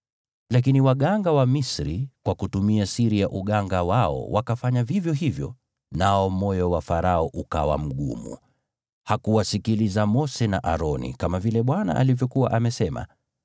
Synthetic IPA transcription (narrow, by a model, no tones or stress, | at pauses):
lakiniwaɠaŋɡawamisɾikwakutumiasiɾiaʔuɠaŋɡawaɔ̰wakafaɲavivjɔɦivjɔ̰ | naɔmɔjɔwafaɾaɔʔuka̰wa̰m̩ɠṵmṵ | hakuwasikilizamɔsɛnaʔaɾɔnḭkamavilɛɓwana̰ʔa̰livjɔkuwaʔamɛsɛma̰